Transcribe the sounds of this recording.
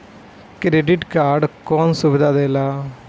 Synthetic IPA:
kɾeːɖɪʈkaːɾɖkɔːnsʊbɪd̪aːd̪eːlaː

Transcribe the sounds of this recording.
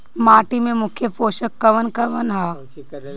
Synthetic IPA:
maːʈimẽmʊkʰjəpoːʃəkːɐʋənkɐʋənɦaː

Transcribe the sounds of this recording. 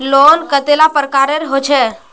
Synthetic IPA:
loːnkət̪elapəɾkaɾeɾɦot͡ʃʰe

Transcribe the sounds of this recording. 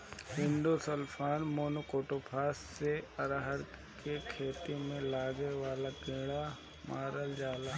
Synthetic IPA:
ɦɪ̃nd̪osəlpʰaːnmoːnokoːʈopʰaːsːeɐɾaɦəɾ | kekʰeːt̪imẽlaːɡeʋaːlakẽːɽa | maːɾəld͡ʒaːlaː

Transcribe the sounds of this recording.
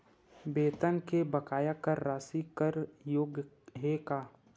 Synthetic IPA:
beːt̪ənkebəkaːjakəɾːaːsikəɾjoːɡ | ɦeːkaː

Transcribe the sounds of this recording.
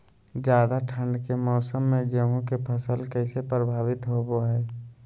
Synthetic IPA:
d͡ʒjaːd̪aʈʰə̃ɳɖkemɔːsəmːẽɡəɦõkepʰəsəlkɛɪsepɾəbʱaːʋɪt̪ɦoboɦɛː

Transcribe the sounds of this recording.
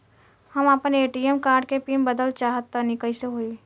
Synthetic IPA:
həmapəneːʈiemkaːɾɖkepiːmbəd̪əlt͡ʃaːɦət̪ːanɪkəiseɦoːi

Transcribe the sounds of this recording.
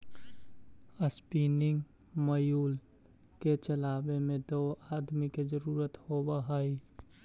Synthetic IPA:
əspiːnɪŋɡ | məjuːl | ket͡ʃəlaːbemẽd̪oːaːd̪mikezəɾuːɾət̪hobaɦaːi

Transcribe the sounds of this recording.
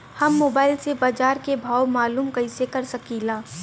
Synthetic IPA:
hɐmːoːbaːɪlsebaːd͡ʒaːɾkebʱaːwmaːluːmkɐɪsekɐɾsɐkiːlaː

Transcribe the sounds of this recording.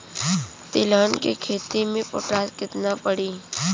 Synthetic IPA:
t̪ɪlaːnkekʰeːt̪imẽpo̰ːʈaːskɪt̪napəɽiː

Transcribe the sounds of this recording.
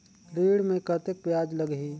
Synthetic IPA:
ɾiːɽmẽkət̪ek̚pjaːd͡ʒlɐɡɦiː

